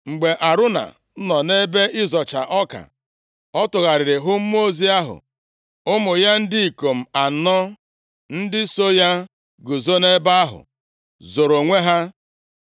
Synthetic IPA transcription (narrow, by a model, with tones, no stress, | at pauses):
ŋ͡m̩˨ɡ͡be˨ʔa˨ɾʊ˦na̰˨˦ | nɔ˨ne˦be˦ʔɪ˦zɔ˨t͡ʃa˨ʔɔ˦ka̰˨ | ɔ˦tʊ˨ɣa˨ɾɪ˨ɾɪ˨ɦʊ˦m̩˦m˦o˦zi˦a˦ɦʊ̰˨ | ʊ˦mʊ˨ja˦n̩˦dɪ˦i˨ko˨m̩˨a˨˦nɔ˦ | n̩˦dɪ˦so˦ja˦ | ɡʊ˨zo˦ne˦ba˦a˦ɦʊ̰˨ | zo˨ɾo˨ŋʷe˦ɦa˦